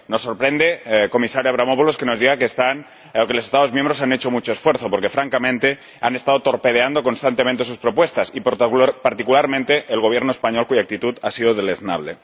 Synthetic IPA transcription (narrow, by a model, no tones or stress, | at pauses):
no̞sːoɾpɾend̪eko̞misaɾjaβɾamopoloske̞no̞zðiɣakeːst̪an | okelosest̪aðo̞zmjẽmbɾosanet͡ʃo̞mut͡ʃo̞esfweɾθo̞poɾke̞fɾaŋkamẽ̞nt̪e | ane̞st̪aðot̪o̞ɾpe̞ð̞eand̪o̞ko̞nst̪ant̪emẽnt̪e̞suspɾo̞pwest̪asippaɾt̪ikulaɾmẽnt̪eʔːlɣ̞o̞β̞je̞ɾnoespaɲolkuʝak̚t̪it̪ut̪asiðoðeleðna̰β̞lḛ